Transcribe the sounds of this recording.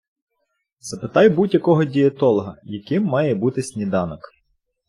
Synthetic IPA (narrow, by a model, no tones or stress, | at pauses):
z̥ɐpɪt̪ɑjbudʲjɐkɔɦɔdʲiɐt̪ɔlˠɦɐjɐkɪmːɑjɛbut̪ɪsʲnʲid̪ɑnɔk